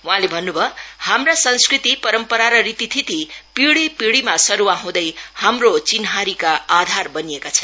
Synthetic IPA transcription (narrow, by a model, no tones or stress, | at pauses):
wũɦãlebʱʌnːubʱʌhamrasʌnskrit̪ipʌɾʌmpʌɾaɾʌrit̪it̪ʰit̪ipiɽipiɽimasʌɾuwaɦũd̪ʌjhamrot͡sinɦaɾikaad̪ʱarbʌniekat͡sʰʌn